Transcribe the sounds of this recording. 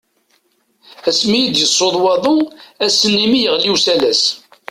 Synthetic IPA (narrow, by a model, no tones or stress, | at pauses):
æsmijid̪jəsˤːoðˤwɑðˤʊæsːənːimijəʁliwsælæs